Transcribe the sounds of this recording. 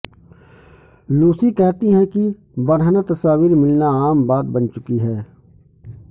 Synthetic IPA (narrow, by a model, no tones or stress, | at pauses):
luːsikɛɦt̪iɦɛ̃ki | bɐɾanat̪ɐsaːwiɾmɪlnaaːmbaːt̪̚bɐnt͡ʃʊkiɦɛː